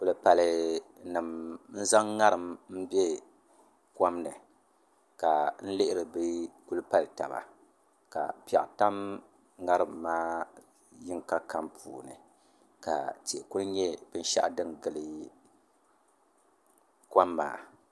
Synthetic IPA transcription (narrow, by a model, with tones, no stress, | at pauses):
kʊ˨lɨ˦pa˨lɨ˨ | nɨ˨mn̩˦za˦ŋːa˦ɾɨ˨mm̩˦bjɛ˦ | ka˦mnɨ˨ | ka˨n̩˦lɪ˦ʔɪ˦ɾɨ˨bɨ˦ku˦lɨ˦pa˦lta̰˨ba̰˨ | ka̰˨pɛ̰˨ʔta˦m | ŋa˦ɾɨ˨mːaː˦ | jɪ˦ŋka˦ka˦mpʰṵː˨nɨ̰˨ | ka̰˨ti˨ʔku˦lɲɛ˦bɨ˦n̩˦ʃa̰˦ʔdɨ˦ŋɡɨ˨lɨ˦ | kʷa˦mːa̰ː˦